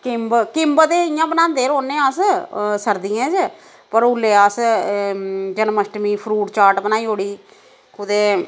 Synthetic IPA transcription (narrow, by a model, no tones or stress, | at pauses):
kɪmbkɪmbt̪eːɪjãːbənãːnd̪eːɾoːnẽːaːssəɾd̪ɪjɛ̃ːd͡ʒ | pəɾʊlːeːaːs | d͡ʒənməsʈmiːpʰɾuːʈt͡ʃaːʈbənaːiːɦoːɽiː | kʊd̪eː